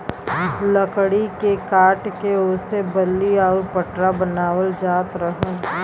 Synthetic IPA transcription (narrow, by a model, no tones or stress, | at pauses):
ləkɽikekaːʈkeoːsebɐlːiɔːɾpəʈɾabɐnaːwəld͡ʒaːt̪ɾəɦə̃